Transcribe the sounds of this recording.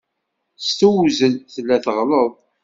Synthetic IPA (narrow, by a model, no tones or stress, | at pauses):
st̪uwzəlθlːæθəʁləðˤ